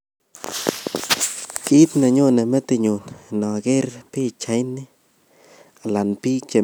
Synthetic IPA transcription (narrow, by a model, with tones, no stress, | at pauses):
ki˦t̪na˨ɲo˦na˨me˦t̪i˨˧ɲu˨nno˨a˨ɡe˦ɾpi˦t͡ʃa˧˦jni˦ | a˨la˨npi˦t͡ʃe˨